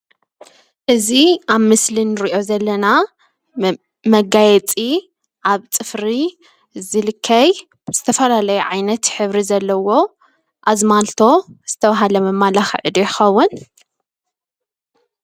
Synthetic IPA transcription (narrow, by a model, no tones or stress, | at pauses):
ʔɨziʔaβmɨslinɨɾiʔo̞zɐlːɐna | mɐɡajɛt͡sʼi | ʔaβt͡sʼɨfɾi | zɨlɨkʰːɐj | z̥ɨt̪ʰɐfɐlalɐjuʕajnɐt̪ħɨβɾizɐlːɐwo̞ | ʔazmalt̪ʰo̞z̥ɨt̪ʰɐβaɦalɐmɐmːalaxʕɨd̪jɪxɐwːʊn